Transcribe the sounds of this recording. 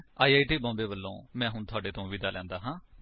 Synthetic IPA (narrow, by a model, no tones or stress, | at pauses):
aːiːaːiːʈiːbɔ̃ːmbeːʋəlːõːmɛ̃ːɦʊɳt̪ʰʊaːɖeːt̪ʰõːʋɪd̪aːlɛ̃ːnd̪aːɦãː